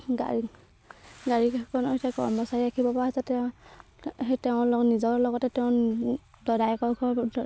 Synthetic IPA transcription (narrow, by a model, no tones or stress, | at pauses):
ɡa̰i | ɡaɹikkʰɔnɔitʰakɔ̰ɹmɔsaɹiakʰibɔpaaasɛtɛ | hetɛʊ̃lɔnizɔɹlɔɡɔtɛtɛʊ̃dɔdajkɔɹɡʰɔ